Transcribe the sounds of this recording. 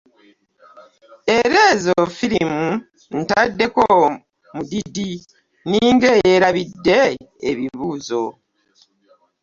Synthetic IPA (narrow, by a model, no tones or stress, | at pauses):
e̞ɾeːzofiɾimu | n̩tadːe̞ko | mudidi | niːŋɡe̞jeɾaβidːe̞ː | βiβuːzo̞